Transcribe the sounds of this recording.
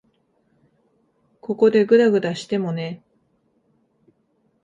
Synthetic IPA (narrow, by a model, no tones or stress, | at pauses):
ko̞ko̞d̪e̞ɡɯ̟ɾaɡɯ̟d̪aɕi̥t̪e̞mo̞ne̞